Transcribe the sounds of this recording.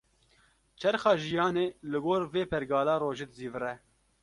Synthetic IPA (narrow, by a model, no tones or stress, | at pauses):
t͡ʃʰɛɾxɑːʒijɑːneːlɪɡoːɾveːpʰɛɾɡɑːlɑːroːʒeːd̪ziːvɨɾɛ